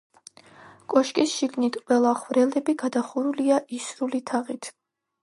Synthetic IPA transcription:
kʼɔʃkʼisʃiɡnit̪ʰqʼwɛlˠaχvɾɛlɛbiɡad̪aχuɾuliaʔisɾulit̪ʰaʁit̪ʰ

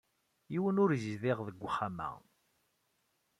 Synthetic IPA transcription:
iwənʊɾzəzðɪʁðəɡʷːəχamæ̰

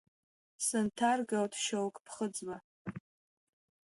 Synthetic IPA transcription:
sɨntʰarɡawtʰʃowkʼpʰχəd͡zwa

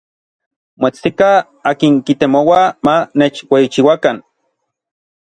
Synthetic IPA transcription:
moet͡st̪ika | aːkiŋkit̪emowamanet͡ʃweit͡ʃiwakan

